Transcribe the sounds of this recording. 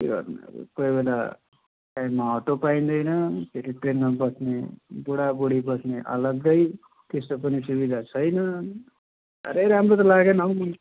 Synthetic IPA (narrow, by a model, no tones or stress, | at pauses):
keɡʌ̰rnḛkojbela | kamaoʈopaĩnd̪ʌjnʌp̪ʰeɾiʈrenmabʌsnebuɽabuɽibʌsneʔʌ̰lʌɡ̚d̪ʌj | t̪est̪opʌnisubid̪ʱat͡sʰʌjnʌ | ʌ̰ɾeɾamɾot̪̬ʌlaɡenʌwmun